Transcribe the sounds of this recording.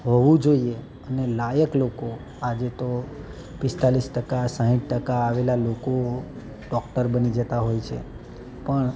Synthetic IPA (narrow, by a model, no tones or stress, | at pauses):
ɦoʋũd͡ʒoie | ənelajəkloko | ad͡ʒet̪o | pɪst̪alisʈəkasãɦiʈ̚ʈəkaːʋelaloko | ɖɔkʈəɾbənid͡ʒət̪aɦojt͡ʃʰḛ | pəɳ